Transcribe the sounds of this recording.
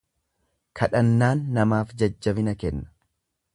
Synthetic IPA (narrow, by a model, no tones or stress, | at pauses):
kʰɐᶑɐnːaːnːɐmaːfd͡ʒɐd͡ʒːɐbɪnɐkɛnːɐ̥